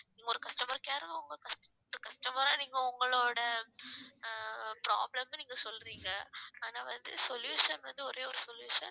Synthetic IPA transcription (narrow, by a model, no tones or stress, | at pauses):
niːŋɡɐɔɾɯkɐsʈɐmɐɾkjaːɾkɐ̃ʊŋɡɐkɐsʈɐ | ɾɯkɐsʈɐmɐɾaːniːŋɡɐʊŋɡɐɭoːɽɐ | pɾa̰ːblɐmniːŋɡɐsɔlːɾiːŋɡɐaːnaːʋɐnd̪ɯsɔljuːʂɐnʋɐnd̪ɯɔɾeːɔɾɯsɔljuːʂɐ̰n